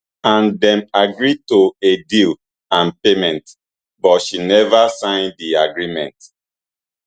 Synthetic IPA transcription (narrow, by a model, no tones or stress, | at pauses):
ãndɛ̃maɡɹitoedil | ãnpemɛ̃nt | bɔtʃinɛvasãɪ̃ndiaɡɹimɛ̰̃nt